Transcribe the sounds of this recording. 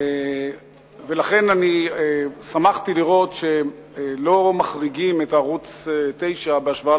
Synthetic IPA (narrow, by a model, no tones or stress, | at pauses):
e | ve̞laχe̞naniesamaχt̪iliʁo̞t̪ʃe̞ | lo̞maχʁiɡimetaːʁut͡sete̞jʃabeaʃvaa